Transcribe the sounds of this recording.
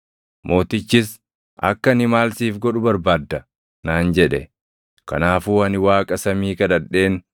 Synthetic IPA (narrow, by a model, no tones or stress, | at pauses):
mʔo̞ːt̪ɪt͡ʃːɪs | ʔɐ̰kːɐnɪmaːlsiːfɡɔᶑʊbɐɾbaːd̪ːɐ | naːnd͡ʒɛᶑɛ | kɐ̰naːfuːɐnɪwaːkʼɐsɐmiːkɐd̪ɐᶑe̞ːn